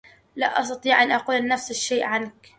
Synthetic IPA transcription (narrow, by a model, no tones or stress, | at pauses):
la̰ʔɑ̰s̬t̪ɑt̪ˤiːʕʔanʔɑquːlnːafsɪʃːeːʔʕank